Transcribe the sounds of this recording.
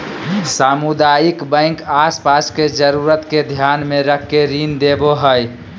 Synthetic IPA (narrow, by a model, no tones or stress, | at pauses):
samud̪ajikbə̃ɪ̃ŋkaspasked͡ʒəɾuɾət̪ked̪ʱjanmẽɾəkʰːeɾind̪eboɦəj